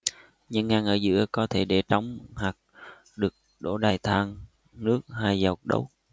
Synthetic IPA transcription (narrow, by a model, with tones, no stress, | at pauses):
ɲə˧nŋːaː˧ŋʔəː˧˩zɨ̰˧˥əkɔ˨˦t̪ʰe˧˩ɗe˧˩t͡ɕa˨˦wŋ͡mhaː˨˩k̚ | ɗɨ˨˩ək̚ɗo̰˧˥ɗaː˨˩jt̪ʰaː˧ŋ | nɨ˦˥ək̚haː˧jzə˨˩wk͡p̚ɗə̰˨˦w